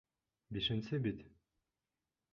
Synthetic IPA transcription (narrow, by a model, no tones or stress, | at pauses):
biʃɘ̆nsɘbit̪